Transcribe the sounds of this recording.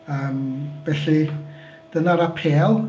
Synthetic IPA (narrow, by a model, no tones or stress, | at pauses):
əːmb̥ɛːɬi | d̥ənaɾapʰeːlˠ